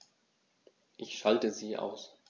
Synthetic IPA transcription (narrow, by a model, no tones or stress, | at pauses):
ʔɪçʃaltəziːʔa̰ʊs